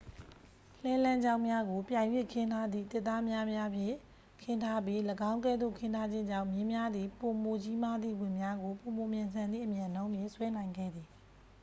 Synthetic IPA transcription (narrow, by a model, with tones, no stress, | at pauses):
l̥ɛ˦lã˦ɲd͡ʑã˦ʊ̃mja˦ɡo˨pjã˨ɪ̃jwɪ̃˦˨kʰɪ̃˦ntʰa˦d̪ðḭ˦˨t̪ɪ˦ʔt̪ːa˦mja˦mja˦pʰjɪ̰̃˦˨ | kʰɪ̃˦ntʰa˦p̬i˦ləɡã˦ʊ̃k̬ɛ˦˨d̪o̰˦˨kʰɪ̃˦ntʰa˦d͡ʑɪ̃˦ɲd͡ʑã˦˨mjɪ̃˦mja˦d̪ði˨po˨mo˨t͡ɕi˦ma˦d̪ðḭ˦˨wɪ̃˨mja˦ɡo˨po˨mo˨mjã˨nsʰã˨nd̪ðḭ˦˨ʔəmjã˨nõ˦ʊ̃mje˦˨swɛ˦nã˨ɪ̃ŋɡɛ̰˦˨d̪ði˨